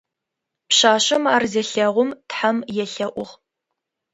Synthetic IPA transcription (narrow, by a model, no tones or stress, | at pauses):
pɕaːɕɐmaːrzɐɬɐʁʷʊmtħamjɛɬɐʔʷʊʁ